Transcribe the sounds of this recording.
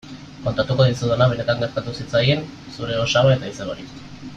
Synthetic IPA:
ko̞nt̪at̪uko̞ðisuðenaβ̞e̞ne̞t̪aŋɡeɾt̪at̪usit͡sajen | suɾe̞o̞ʃaoe̞t̪aiseβoɾis

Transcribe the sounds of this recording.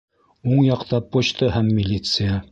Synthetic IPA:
uɴjɑqt̪ɑpoɕt̪ɤɦæmːʲɪlʲit̪sɨja

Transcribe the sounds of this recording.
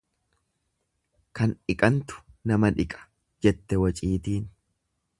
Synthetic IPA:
kɐnɪkʼɐnt̪ʊ̥nɐmɐᶑɪkʼɐ̥ | d͡ʒɛt̪ːɛwɐt͡ʃʼiːt̪iːn

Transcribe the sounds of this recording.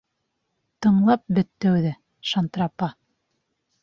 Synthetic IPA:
t̪ɤ̆ɴlˠɑp̚bɵ̆t̪ːæwðɘ | ʃant̪ɾɑpɑ

